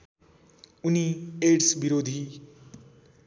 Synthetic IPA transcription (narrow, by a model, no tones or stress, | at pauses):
unieɖsbiɾod̪ʱi